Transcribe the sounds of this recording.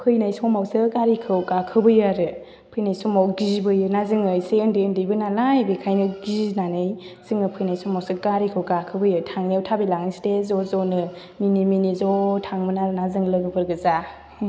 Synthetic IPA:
pʰɯjnajsɔmawsɯɡaɾikʰɯwɡakʰɯbɯjaɾɯ | pʰɯjnajsɔmawɡizbɯjɯnazɯŋɯjseɯndiɯndɯjbɯnalajbikʰajnɯɡiznanɯjsɯŋnɯpʰɯjnajsɔmawsɯɡaɾikʰɯwɡakʰɯbɯjɯtʰaŋniawtʰabilaŋɯstezɔzɔnɯ | miniminizɔtʰaŋmɯnaɾɯnazɯŋlɯɡɯbɯɾɡɯza

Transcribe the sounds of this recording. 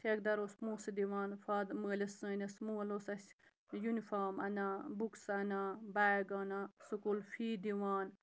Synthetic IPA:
tʰek̚d̪ɐɾosmuːsɨd̪iʋaːnfaːd̪məːlʲɐsə̃ːnɐsmuːɐlosɐsʲ | junifaːmɐ̰nabuksɐnabaːɡanasukolfiːd̪iʋaːn

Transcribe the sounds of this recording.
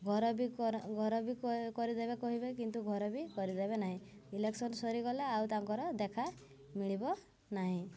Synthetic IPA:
ɡʱɔɾɔbiɡʱɔɾɔbikɔɾid̪ebekɔɦibekint̪uɡʱɔɾɔbikɔɾid̪ebenaɦĩileksɔnsɔɾikɔlaawt̪aŋkɔɾɔd̪ekʰa | miɭ̃ibɔ | naɦĩ

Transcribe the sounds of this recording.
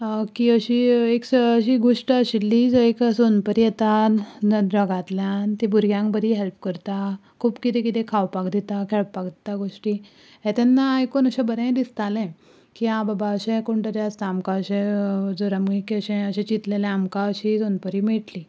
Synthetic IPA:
kiəɕiːeksəɕiːɡoʂʈəəɕilːid͡zeksonpəɾijet̪annəd̪ɾəɡat̪ljant̪ibuɾɡjãŋkbəɾiɦelp̚kəɾt̪a | kʰuːbkit̪ẽkit̪ʰɛ̃kʰawpakd̪it̪akʰeɭpakd̪it̪aɡoʂʈiː | ɦɛt̪ɛnːaekonəɕɛ̃bəɾɛ̃d̪ist̪alɛ̃ | kiɦãbabaəɕẽkoɳʈ̪əɾjaəst̪aːmkaəɕɛ̃d͡zoɾamɡikiəɕɛ̃əɕɛ̃t͡ɕit̪leljaamkaəɕisonpəɾiːmiʈliː

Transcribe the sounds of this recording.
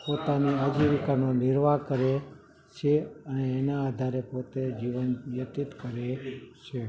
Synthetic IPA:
pot̪aniəd͡ʒiʋikanonɪɾʋakəɾe | t͡ʃʰeəneːnaːd̪ʱaɾepot̪ed͡ʒiʋənʋjət̪it̪kəɾet͡ʃʰe

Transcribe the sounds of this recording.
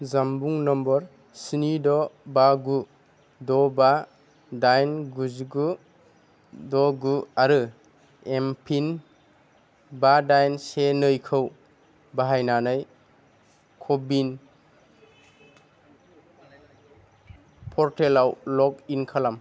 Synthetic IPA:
zambuŋnɔmbɔɾ | sinidɔbaɡu | dɔba | dajnɡuzɡu | dɔɡuaɾɯ | empʰin | badajnsenɯjkʰɯw | baɦajnanɯj | kʰɔbin | pʰɔɾtelawlɔkinkʰalam

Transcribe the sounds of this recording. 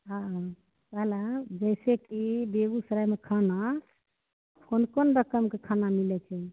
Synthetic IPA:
ɦã | bəɦlad͡ʒəɪsekibeɡusəɾajmekʰana | pʰonkonɾəkəmkekʰanamilɛt͡ʃʰɛ

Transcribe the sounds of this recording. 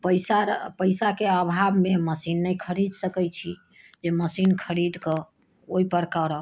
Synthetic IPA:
pəjsapəjsakeəbʱabʱmeməsinːəjkʰəɾid̪ʱsəkɛjt͡ʃʰi | d͡ʒeməsinkʰəɾid̪ʱkɔ | oipəɾkəɾə

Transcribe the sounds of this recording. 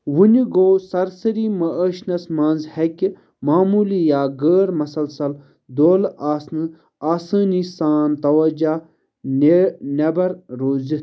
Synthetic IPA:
wuniɡoːsɐɾsɐɾiːmɐʔəʃnɐsmãːnzheki | maːmuːlijaːɡəːɾmɐsɐlsɐl | d̪oːlaːsnɨ | aːsəːnisaːnt̪ɐwɐd͡ʒaː | nenɐbɐɾɾoːzi

